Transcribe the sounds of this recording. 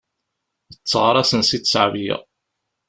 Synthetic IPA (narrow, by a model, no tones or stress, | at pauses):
ət͡sːəʁɾˤɑsənsit̪ːsəʕvjɪ̰ʁ